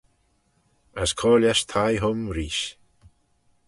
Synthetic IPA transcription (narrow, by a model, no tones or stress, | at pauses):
askʰɔːljaʃt̪ʰajɦʊmɾiːʃ